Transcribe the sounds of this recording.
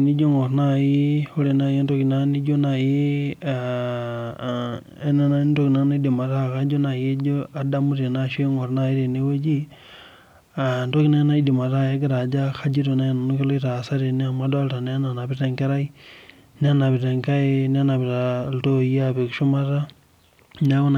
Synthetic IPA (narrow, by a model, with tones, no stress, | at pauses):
ni˦d͡ʒo˦ŋo˨ɾna˦ji˦ho˦ɾe˨na˨je˦n˦to˦ki˨na˦ni˦d͡ʒo˦na˨je˦ | e˦na˦na˦to˦ki˨na˦na˦di˨ma˨ɾa˦˨ka˦d͡ʒo˦na˨je˦d͡ʒo˦a˨da˦mu˦ɾe˨na˦ʃe˦ŋo˨ɾna˦˨i˦ɾe˨ne˦we˦d͡ʒi˦ | a˨ndo˦ki˦na˦na˦i˦di˨ma˨ɾa˦˨je˦ɡi˦ɾa˨d͡ʒa˦xa˦d͡ʒi˦ɾo˨na˦je˨na˨nu˦ki˦lo˦i˦ɾa˨sa˦ɾe˨ni˦ama˦da˦lɾa˨n˦a˦na˨na˨pi˦te˦ŋke˦ɾa˦i˦ | ni˦a˦na˨βi˨ɾe˨ŋka˦e˦n˦a˦na˨pi˨ɾa˨lto˦i˦a˦βe˨kuʃu˦ma˦ɾa˦ | n˦a˦ko˦n